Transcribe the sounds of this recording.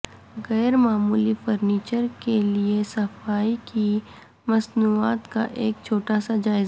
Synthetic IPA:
ɣɛːɾmaːmuːlifoɾniːt͡ʃəɾkeliesɐfaːiki | mɐsnuːaːt̪ka̰ʔeːk̚t͡ʃʰoːʈaːsad͡ʒaːɪz

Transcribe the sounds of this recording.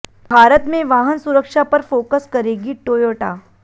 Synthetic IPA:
bʱaːɾət̪mẽʋaːɦənsʊɾəkʃapɐɾfoːkəskɐɾeːɡiʈoːjoːʈaː

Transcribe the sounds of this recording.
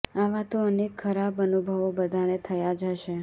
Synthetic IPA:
aʋat̪oənekʰːəɾabənubʱəʋobəd̪ʱañet̪ʰəjad͡ʒəʃe

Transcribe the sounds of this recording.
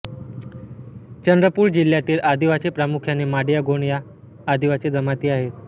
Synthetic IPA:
t͡ɕənd̪ɾəpuːɾd͡ʑil̤ːjat̪iːlad̪iʋat͡ɕepɾamukʰjanemaɽjaɡoɳ̃jaː | d̪iʋat͡sed͡zəmat̪iːaɦet̪

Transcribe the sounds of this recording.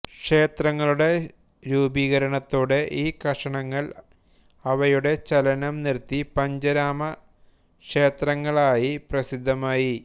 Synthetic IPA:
kʂe̞ːt̪rɐŋːɐɭuɽe̞ | ɾuːbiːɣɐɾɐɳɐt̪ːoːɽeʔiːkɐʂɐɳɐŋːɐɭ | ɐʋɐjuɽe̞t͡ɕɐlɐnɐmnirt̪ːipɐɲd͡ʑɐɾaːmɐ | kʂeːt̪rɐŋːɐɭaːjiprɐsid̪ʱːɐmaːji

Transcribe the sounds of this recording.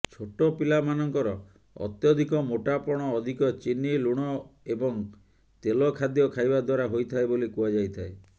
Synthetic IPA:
t͡ʃʰoʈɔpilamanɔŋkɔɾɔ | ɔ̰t̪jɔd̪ʱikɔmoʈapɔɽ̃ɔːd̪ʱikɔt͡ʃiniluɽ̃ɔebɔŋ | t̪elɔkʰad̪jɔkʰajbad̪waɾaɦojt̪ʰaebolikuad͡ʒajt̪ʰae

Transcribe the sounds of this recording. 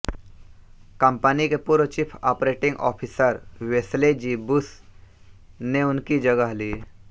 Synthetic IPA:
kəmpənikepuːɾət͡ʃipʰa̰ːpɾeːʈɪ̃ŋɡɔ̰ːpʰisəɾweːsled͡ʒiːbʊs | neʊnkid͡ʒɐɡəɦliː

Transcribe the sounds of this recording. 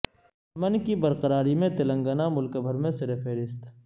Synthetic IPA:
mənkibɐɾqəɾaːɾimẽt̪ɪlə̃ŋɡənamʊlkəbʱəɾmẽsɐɾefeːɾɪst̪

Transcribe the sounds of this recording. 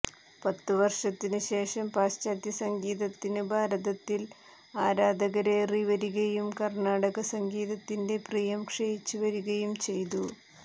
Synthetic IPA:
pɐt̪ːɨʋɐrʂɐt̪ːinɨɕe̞ːʂɐmpaːst͡ɕaːd̪jɐsɐŋɡiːðɐt̪ːinɨbʱaːɾɐðɐt̪ːil | aːɾaːd̪ɐɣɐɾe̞ːriʋɐɾuɣɐjumkɐrɳaːɽɐɣɐsɐŋɡiːðɐt̪ːinde̞priːjɐmkʂejit͡ɕːuʋɐɾuɣɐjumt͡ɕe̞jt̪u

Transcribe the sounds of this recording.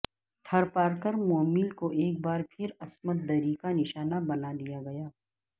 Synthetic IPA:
t̪ʰɐɾpaːɾkəɾmoːmiːlkoʔeːk̚baːɾpʰɪɾɐsmət̪̚d̪ɐɾikanɪʃaːnabɐnad̪ijaɡɐjaː

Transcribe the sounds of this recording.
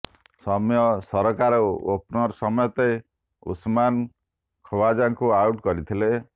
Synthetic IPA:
sɔmjɔsɔɾɔkaɾɔopnɔɾsɔmɔjɔt̪e | ṵsman | kʰɔwad͡ʒaŋkuawʈkɔɾit̪ʰile

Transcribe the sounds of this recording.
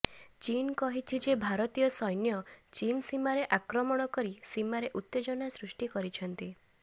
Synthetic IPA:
t͡ʃinkɔɦit͡ʃʰid͡ʒebʱaɾɔt̪ijɔsɔjnjɔt͡ʃinsimaɾeʔakɾɔmɔɽ̃ɔkɔɾisimaɾeʔut̪ːed͡ʒɔnasɾusʈikɔɾit͡ʃʰɔnt̪i

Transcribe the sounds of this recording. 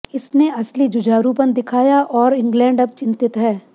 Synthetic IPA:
ɪsneʔɐslid͡ʒʊd͡ʒaːɾupɐnd̪ɪkʰaːjaʔɔːɾɪ̃ŋɡlɛ̃ːɳɖɐb̚t͡ʃɪ̃nt̪ɪt̪ɦɛː

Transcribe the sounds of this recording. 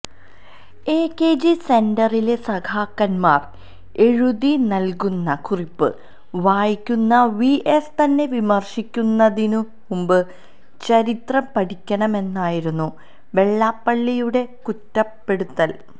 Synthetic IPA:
eːkːe̞ːd͡ʑise̞ndɐrilesɐɡʰʱaːkːɐnmaːr | e̞ɻuðinɐlkunːɐkuripːɨ̰ | ʋaːjikʲːunːɐʋiʔest̪ɐnːe̞ʋimɐrʂikʲːunːɐðinɨ | umbɨ | t͡ɕɐɾit̪rɐmpɐʈikʲːɐɳɐme̞nːaːjiɾunːu | ʋe̞ɭːaːpːɐɭːijuɽe̞kutːɐpːe̞ɽut̪ːɐl

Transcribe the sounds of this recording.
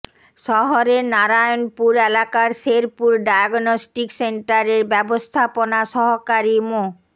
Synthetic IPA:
ʃɔɦoɾeɾnaɾajonpuɾelakaɾʃeɾpuɾɖajaɡnosʈikseɳʈaɾeɾbɛbost̪ʰaponaʃɔɦokaɾimo

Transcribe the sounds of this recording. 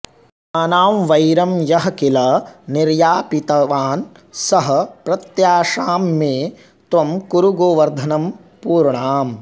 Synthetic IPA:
ɐnaːmʋɐjɾɐmjɐɦɐkilɐniɾjaːpit̪ɐʋaːn | sɐɦɐ̆pɾɐt̪jaːʂaːmːeː | t̪ʋɐmkuɾuɡoːʋɐɾd̪ʱɐnɐm | puːɾɳaːm

